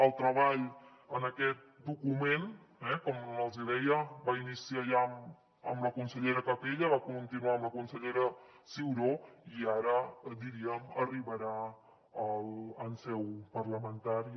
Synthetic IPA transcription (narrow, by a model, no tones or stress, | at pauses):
əlˠt̪ɾəβaʎ | ənəkɛt̪̚d̪ukumen | ɛkɔməlˠziðɛjəbainisiaʎam | ə̰mləkunsəʎeɾəkəpeʎəβakunt̪inuaəmləkunsəʎeɾə | siwɾoiaɾəd̪iɾiəməriβəɾa | ələnsɛwpəɾləmənt̪aɾi